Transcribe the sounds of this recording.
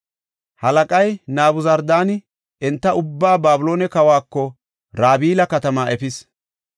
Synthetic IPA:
hɐlɐkʼɐjnaːbʊzɐɾd̪aːnɪ | ʔɛnt̪ːɐʊbːaːbaːbʊlo̞ːnɛkɐwaːkːɔ | ɾaːbiːlɐkɐt̪ɐmaːʔɛpɪs

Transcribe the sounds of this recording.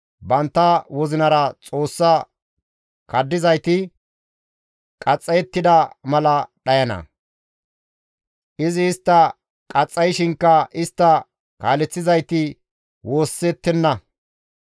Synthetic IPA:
bɐnt̪ːɐwɔzɪnɐɾɐt͡sʼo̞ːsːɐ | kɐd̪ːɪzɐjt̪ɪ | kʼɐt͡sʼːɐjɛt̪ːɪd̪ɐmɐlɐɗɐjɐnɐ̰ | ʔɪzɪːst̪ːɐ | kʼɐt͡sʼːɐjʃɪŋkːɐɪst̪ːɐ | kaːlɛt͡sːɪzɐjt̪ɪ | wo̞ːsːɛt̪ːɛnːɐ

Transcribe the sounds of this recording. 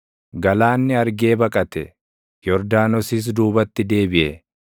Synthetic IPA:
ɡɐlaːnːɪɐɾɡe̞ːbɐkʼɐt̪ɛ | jɔɾd̪aːnɔsiːs̬d̪uːbɐt̪ːɪd̪e̞ːbɪʔɛ

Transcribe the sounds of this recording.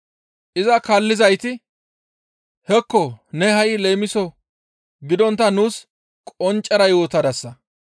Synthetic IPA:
ʔɪzɐkɐlːɪzɐjt̪ɪ | hɛkːɔnɛɦɐjle̞ːmɪsɔ | ɡɪd̪ɔnt̪ːɐnuːs | kʼɔnt͡ʃʼːɐɾɐjo̞ːt̪ɐd̪ɐsːɐ

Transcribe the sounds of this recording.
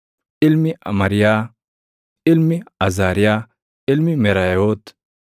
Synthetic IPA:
ɪlmiɐ̰mɐɾija | ɪlmiɐzaːɾija | ɪlmimeɾaot̪

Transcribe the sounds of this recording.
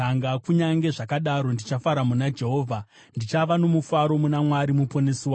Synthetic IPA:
aŋɡakuɲaŋɡe̞ʐakaɗaɾo̞ndit͡ʃafaɾamunad͡ʒe̞ɦo̞ːvʱa | ndit͡ʃaʋano̞mufaɾo̞munamwaɾimupo̞neswa

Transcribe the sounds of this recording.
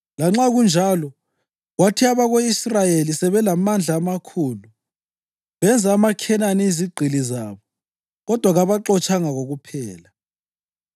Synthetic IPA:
laŋ͡ǁaɣund͡ʒʱalɔ | ɣwatʰiaβaɣoisrajelisɛβɛlamand͡ɮʱaːmakʰuːlu | βɛnd͡zʱaːmakʰɛnaniːziɡ͡ǀʱilizaːβɔ | ɣɔd̥ʱwaɣaβaǁɔt͡ʃʰʼaŋaɣoɣupʰɛːla

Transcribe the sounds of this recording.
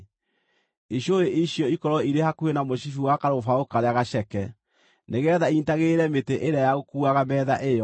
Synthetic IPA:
iɕjoɾeʔiɕjɔikɔɾɔiɾehakuenamoʃifiwakaɾofaokaɾeaɣaɕɛkɛ | neɣɛðaintaɣeɾɛmeteʔeɾajaɣokuaɣamɛːðaʔejɔ

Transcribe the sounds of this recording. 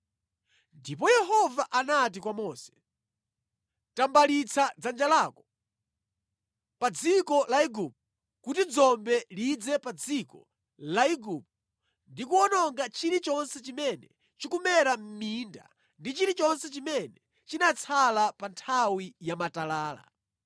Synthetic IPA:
ndipɔjɛɦɔvaʔanat̬ikwamɔːsɛ̥ | tambalit͡sʰad͡zand͡ʒalaːkɔ̥ | pad͡zikɔlaiɡup̚ | kutid͡zɔmbɛlid͡zɛpad͡zikɔ̰ | laiɡup̚ | ndikuɔnɔŋɡat͡ʃiɾit͡ʃɔnsɛt͡ʃimɛnɛ̰ | t͡ʃikumɛɾam̩minda̰ | ndit͡ʃiɾit͡ʃɔnsɛt͡ʃimɛnɛ | t͡ʃinat͡sʰalapantʰawijamatalaːla̰

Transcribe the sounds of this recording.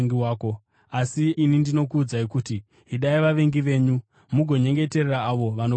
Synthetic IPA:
ŋɡiwaːko̞ | asiːnindino̞kuːd͡zaikuti | ɦiɗaiʋaʋe̞ŋɡiʋe̞ːɲu | muɡʱo̞ɲe̞ŋɡe̞te̞rraːʋo̞ʋano

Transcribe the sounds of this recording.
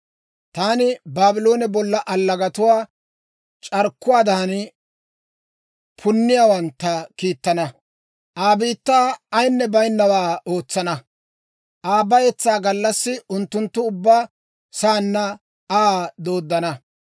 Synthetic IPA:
t̪aːnɪbaːbɪlo̞ːnɛbɔlːɐʔɐlːɐɡɐt̪ʊwaː | t͡ʃʼɐɾkːʊwaːd̪aːn | pʰʊnːɪjaːwɐnt̪ːɐkiːt̪ːɐnɐ | ʔaːbiːt̪ːaːɐjnːɛbɐjnːɐwaːo̞ːt͡sːɐnɐ | ʔaːbɐjɛt͡sːaːɡɐlːɐsːɪʊnt̪ːʊnt̪ːʊʊbːaː | saːnːɐ | ad̪o̞ːd̪ːɐnɐ

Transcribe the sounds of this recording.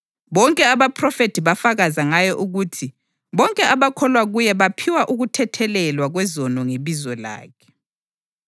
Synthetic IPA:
βɔŋkʼɛaβapʰrɔfetʰiβafaɣazaŋajɔʔuɣutʰi | βɔŋkʼɛaβakʰɔlwaɣujɛβapʰiwaʔuɣutʰɛtʰɛlɛlwaɣwɛzɔnɔŋeβizɔla̰ːkʰɛ̥

